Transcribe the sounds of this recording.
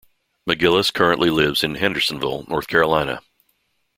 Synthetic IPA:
mɨɡɪlˠəskʰɜ˞ɨ̃nʔlilɪvz̥ɨ̃nhɛ̃ndə˞sn̩vɪ̰lˠnɔɹθkʰɛɹəlãɪ̃nə̰

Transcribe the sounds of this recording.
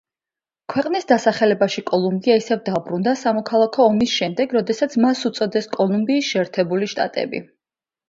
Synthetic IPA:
kʰwɛqʼnisd̪asaχɛlɛbaʃikʼɔlˠumbiaisɛvd̪abɾund̪asamɔkʰalˠakʰɔːmisʃɛmd̪ɛɡɾɔd̪ɛsat̪sʰmasut̪sʼɔd̪ɛskʼɔlˠumbiːsʃɛːɾt̪ʰɛbuliʃt̪ʼa̰t̪ʼɛ̰bḭ

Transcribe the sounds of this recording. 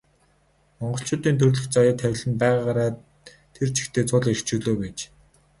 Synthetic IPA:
mɔɴɢɞ̆ɬt͡ɕʰʊːt̪iːnt̪ʰɵrɮɵ̆xt͡sajəːt̪ʰːæw̆ʲɮɘ̆npæːʁʁaːɾaː | t̪ʰːert͡ɕʰi̥xt̪ʰeːt͡sʊɮerkt͡ɕuːɮoːpæːt͡ɕ

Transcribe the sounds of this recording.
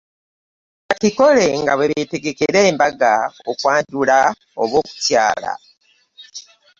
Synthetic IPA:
katiko̞le̞ŋɡaβeβete̞ɡekeɾe̞ːmbaɡaokwaːɲɟula | oβwo̞ːku̥cja̰ːla̰

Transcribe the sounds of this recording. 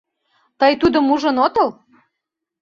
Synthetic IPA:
t̪ɤjt̪ud̪ə̆muʒɤ̆not̪ɤ̆l

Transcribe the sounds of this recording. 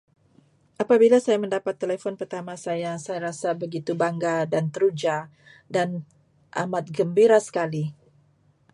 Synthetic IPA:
ʔapabilasajaməndapat̪ːelefɔnpərt̪amasajasajaɾasabəɡit̪ubaŋɡadant̪əɾud͡ʒa | dan | ʔa̰mat̪̚ɡəmbiɾasə̥kali

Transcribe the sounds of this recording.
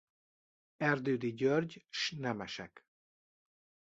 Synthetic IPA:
ɛrd̪øːd̪iɟørɟʃnɛmɛʃɛk

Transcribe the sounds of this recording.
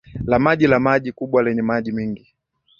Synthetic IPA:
lamaʄilamaʄikuɓwalɛɲɛmaʄimiŋɡi

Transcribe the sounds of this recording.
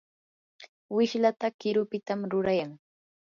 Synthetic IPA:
wɪʃlat̪akɪɾʊpɪt̪amɾʊɾajaŋ

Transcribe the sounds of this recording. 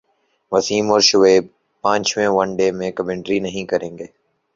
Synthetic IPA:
ʋəsiːmɔːɾʃʊʋeːb | pãːɲt͡ʃʋẽʋəɳɖeːmẽkəmẽɳʈɾiːnəɦĩkəɾẽːŋɡeː

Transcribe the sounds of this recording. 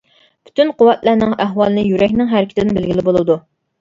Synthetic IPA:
pʰy̥t̪ʰynqʰʊwɛt̪lænɪŋæɦwɑlˠɨnɨjyɾɛkʲnɪŋɦæɾɪkʲʰt̪ʰd̪ɪnbɪlɡʲilɪbolˠud̪u

